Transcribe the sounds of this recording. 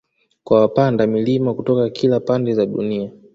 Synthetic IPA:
kwawapandamilimakutɔkakʰilapandɛzaɗunia

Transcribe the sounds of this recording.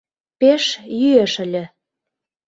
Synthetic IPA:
peʃjyeʃə̆lʲɘ̆

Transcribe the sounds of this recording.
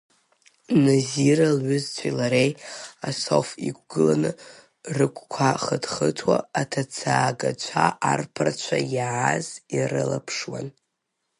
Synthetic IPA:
naziɾalʕʏzt͡sʷʰilaɾejasofikʷʰɡɨlanɨ | rɨkʷʰʼkʷʰaχədχətʰwaːtʰat͡sʰaːɡat͡ʃʷʰaʔarpʰart͡ʃʷʰajʕazirɨlapʰʂwan

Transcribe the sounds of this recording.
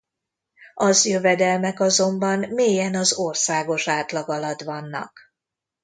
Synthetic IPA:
ɒzjøvɛd̪ɛlmɛkɒzo̞mbɒnmeːjɛnɒzorsaːɡo̞ʃaːt̪lɒɡɒlɒt̪ʋɒnːɒ̰k

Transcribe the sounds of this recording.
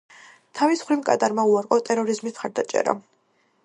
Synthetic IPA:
t̪ʰavisχwɾimkʼa̰d̪aɾmauaɾqʼɔt̪ʼɛɾɔɾizmismχaɾd̪at͡ʃʼɛ̰ɾa̰

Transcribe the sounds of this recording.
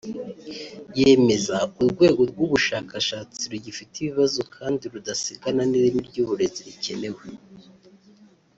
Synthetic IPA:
je̞me̞zauɾɡwe̞ːɡo̞ɾɡwuβuʃaːkaʃaːt͡siɾuɟifitiβiβazo̞kʰaːndiɾudasiɡananiɾimiɾɟuːβuɾe̞ziɾice̞̰ne̞we

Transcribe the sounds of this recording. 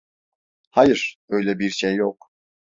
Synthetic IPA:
hajɯɾ̥ø̞jlʲɛbiɾʃejːok

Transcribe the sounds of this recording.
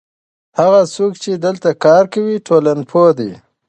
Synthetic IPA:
haɣasokt͡ʃed̪əlt̪akɑɾkawiʈʰolanpʰod̪i

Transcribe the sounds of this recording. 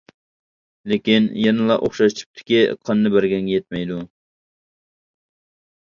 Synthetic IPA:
lɪkʲinjɛnɨlˠɑʔoχʃɑʃt̪ʰu̥p̚t̪ʰɪ̥kʲiqʰɑnːɨbæɾɡʲɛŋɡʲɛjɛt̪̚mɛjd̪u

